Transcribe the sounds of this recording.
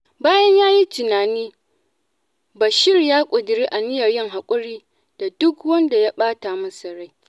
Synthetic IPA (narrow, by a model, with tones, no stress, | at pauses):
baː˦jɐ˦ɲjaː˦ji˦tɪ˨naː˨niː˦ | ba˨ʃɪ˦rjaː˦kʷʼʊ˨dɪ˨ɾiː˦ʔa˨nɪ˦jɐ˨rjɪ˦ŋɦa˨kʷʼʊ˦ɽiː˦ | d̥a˨dʊ˦kwɐ˦nda˨ja˦ɓaː˦ta˨mɐ˦sɐ˨ɽa˦j